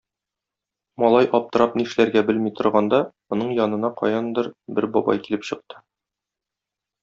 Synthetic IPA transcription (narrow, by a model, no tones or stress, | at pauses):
mɒlˠɑjʔɒp̚t̪ɤ̆ɾɑp̚niʃlæɾɡæbɘlmit̪ŏɾʁɑnd̪ɑmŭnɤɴjɒnɤ̆nɑqɒ̰jɑnd̪ɤɾbɘɾbɒbɑ̰jkilɘpɕɤ̆q̚t̪ɤ̥